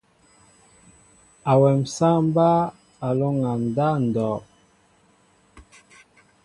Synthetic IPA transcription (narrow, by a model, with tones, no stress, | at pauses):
a˨wɛ˨msa˦m˦ba˦ | a˨lo˦ŋa˨m˨da˦n̩˨dɔː˨